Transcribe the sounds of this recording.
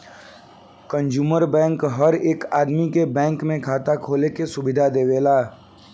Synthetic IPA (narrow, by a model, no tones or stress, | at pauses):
kə̃nd͡ʒuːməɾbɛ̃ːŋkɦəɾeːkaːd̪mikebɛ̃ːŋkmẽkʰaːt̪akʰoːlekesʊbɪd̪ʱad̪eːʋeːlaː